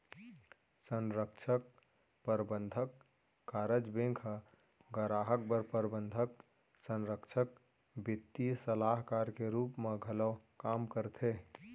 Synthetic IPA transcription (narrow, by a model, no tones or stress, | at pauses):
sənɾəkt͡ʃʰək | pəɾbənd̪ʱəkː | aɾəd͡ʒbẽŋkʰ | ɡəɾaːɦək̚bəɾpəɾbə̃nd̪ʱək | sə̃nɾəkt͡ʃʰək̚ | bit̪ːisəlaɦkaɾkeɾuːpmeɡʱələʋkamkəɾt̪ʰe